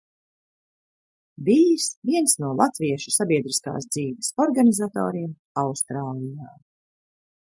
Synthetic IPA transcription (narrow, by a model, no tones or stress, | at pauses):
bijsviɛnsnuɔlˠat̪viɛʃusabiɛd̪ɾiska̰ːsd̪ziːvʲɛsɔɾɡanizat̪ɔ̰ːɾiɛm | awst̪ɾaːlˠijaː